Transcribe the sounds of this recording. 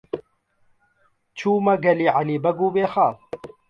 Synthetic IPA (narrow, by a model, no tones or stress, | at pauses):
t͡ɕʰuːmɐɡɐliːʕaliːbɐɡuːbeːxaː